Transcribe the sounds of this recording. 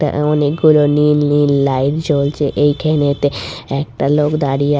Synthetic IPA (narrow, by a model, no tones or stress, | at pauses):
kʈa̰ɔnek̚ɡuloninlinlajɾd͡ʑolt͡ɕeʔejkʰenet̪eɛk̚ʈalokd̪aɽia